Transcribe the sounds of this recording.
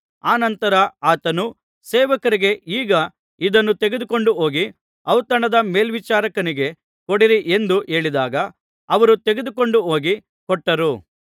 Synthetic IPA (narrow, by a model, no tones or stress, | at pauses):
aːnɐnt̪ɐɾɐaːt̪ɐnu | sɛːʋɐkɐɾiɡe̞ʔiːɡɐ | id̪ɐnːut̪e̞ɡed̪uko̞ɳɖuɦo̞ːɡi | ɐwt̪ɐɳɐd̪ɐme̞ːlʋit͡ʃaːɾɐkɐniɡe̞ | ko̞ɽiɾiʔend̪uʔe̞ːɭid̪aːɡɐː | ʋɐɾut̪e̞ɡe̞d̪uko̞ɳɖuɦo̞ːɡi | kɔʈːɐɾu